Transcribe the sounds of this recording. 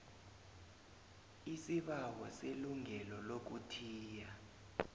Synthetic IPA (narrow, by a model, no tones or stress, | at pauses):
isiɓawɔseluŋʱɛlɔlok̬utʰiːja